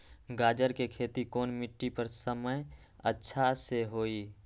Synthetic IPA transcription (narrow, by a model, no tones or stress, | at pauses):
ɡaːd͡ʒəɾkekʰeːt̪ikoːnmɪʈːipəɾsəməj | ətːʃʰaseɦoːiː